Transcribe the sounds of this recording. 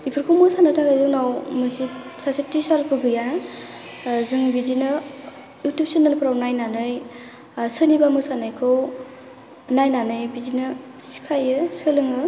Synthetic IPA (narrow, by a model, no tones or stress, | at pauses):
ipʰɯɾkʰɯwmɯsanɯtʰaɡajzɯŋnawmɯnsi | sasitːisaɾpʰɯɡɯja | zɯŋbidinɯ | jutupsinɯnpʰɾawnajnanɯj | sɯnibamɯsanɯjkʰɯw | najnanɯjbidinɯ | si̥kʰajɯsɯlɯŋɯ